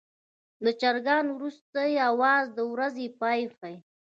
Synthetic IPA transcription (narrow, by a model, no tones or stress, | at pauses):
lət͡ʃaɾɡɑnwɾust̪ajawɑzd̪əwɾazepɑjxaj